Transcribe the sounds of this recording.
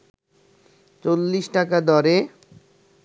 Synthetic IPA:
t͡ɕolːiʃʈakad̪ʱɔɾe

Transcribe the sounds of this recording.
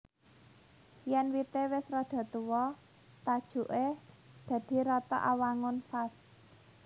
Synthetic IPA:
jɛnwit̪ewɪsrɔd̪̥a̤t̪uwɔ | t̪ad̥ʒ̥ṳʔe | d̪̥ä̤d̪̥i̤ɾɔt̪ɔ̰ʔawaŋʊnfas

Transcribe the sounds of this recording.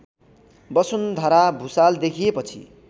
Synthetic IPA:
bʌsund̪ʱʌɾabʱusald̪ekʰijepʌt͡sʰḭ

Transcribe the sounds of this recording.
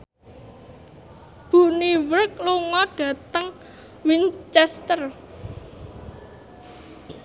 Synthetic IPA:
b̥ṳniwərk̚luŋɔɡ̥ä̤t̪əŋ | wint͡ʃɛst̪ər

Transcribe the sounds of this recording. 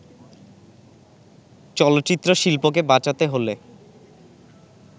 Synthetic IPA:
t͡ɕɔlot̪ːɕit̪ːɾoʃilpok̬ebat͡ɕat̪eɦole

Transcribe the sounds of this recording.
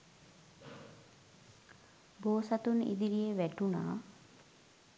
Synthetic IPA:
boːsat̪unḭd̪iɾijeʋæʈuna̰ː

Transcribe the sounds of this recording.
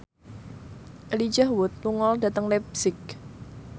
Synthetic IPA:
ʔelid͡ʒahwʊt̪̚luŋɔlda̤t̪əŋlɛbsɪk̚

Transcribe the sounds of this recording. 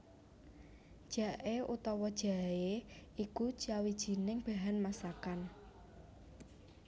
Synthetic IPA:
d̥ʒ̥ä̤ʔeut̪ɔwɔd̥ʒ̥a̤eiku̥t͡ʃawid̥ʒ̥i̤nɪŋb̥a̤ɦanmasakan

